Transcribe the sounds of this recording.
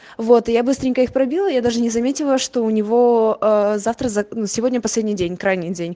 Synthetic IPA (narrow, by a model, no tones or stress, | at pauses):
vo̞t̪ɨjabɨst̪ɾʲɪŋʲkəixpɾɐbʲilˠəjad̪aʐɨnʲɪzɐmʲetʲɪlˠəʂt̪o̞ʊnʲɪvo̞əzaft̪ɾəzɐnusʲɪvo̞dʲnʲəpɐsʲlʲedʲnʲijdʲenʲkɾajnʲɪdʲenʲ